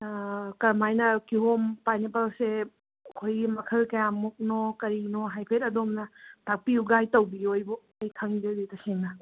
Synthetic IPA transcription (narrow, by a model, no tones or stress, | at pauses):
kɐɾmajnɐkiɦompajnepalse | ɐkʰojɡimɐkʰɐlkɐjamuk̚nokɐɾinoɦajpʰetɐdomnɐtʰak̚piuɡajtɐwbiojbɔ | ɐjkʰɐŋd͡ʒɐditɐseŋnɐ